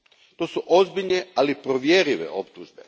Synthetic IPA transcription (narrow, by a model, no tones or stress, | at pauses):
t̪o̞ːsuʔo̞zbiʎnealipɾoʋjeɾiʋḛo̞̰pt̪uʒbe̞̰